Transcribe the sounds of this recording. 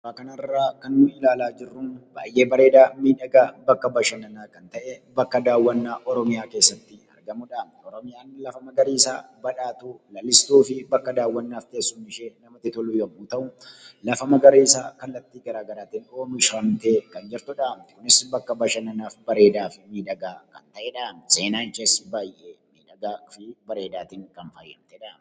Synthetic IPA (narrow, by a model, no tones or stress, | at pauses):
ɾaːkɐnɐrːaːkɐnːʊɪlaːlaːd͡ʒɪrːʊnba̰ːjʔe̞ːbɐɾe̞ːd̪aːmiːᶑɐɡabɐkːɐbɐʃɐnɐnaːkɐnt̪ɐʔɛbɐkːɐd̪aːwːɐnːaːʔɔɾɔmɪjaːkeːsːɐt̪ːɪɐ̰ɾɡɐmʊᶑaːmt̪ɛɔɾɔmɪjaːnlɐfɐmɐɡɐɾiːɪsa̰ːbɐᶑaːt̪ulɐlːɪst̪uːfɪbɐkːɐd̪aːwːɐnːaːfk̪eːsːuːnɪʃeːnɐmɐt̪ɪt̪ɔlujɐmuːt̪ɐʔʊlɐfɐmɐɡɐɾiːɪsaːkɐlːɐt̪ːiːɡɐɾaːɡɐɾaːt̪ɪnoːmɪʃɾɐmt̪eːkɐnd͡ʒɛɾt̪ʊᶑaːmt̪ɛ̥kʊnɪsbɐkːɐbɐʃɐnɐnaːfbɐɾe̞ːd̪aːfɪmiːᶑ̪ɐɡaːkɐnt̪ɐʔeːᶑaɐmse̞ːnaːnt͡ʃɐsbaːjʔemiːᶑɐɡaːfɪbɐɾe̞ːd̪aːt̪iːŋkɐnfɐjːɐmt̪eᶑam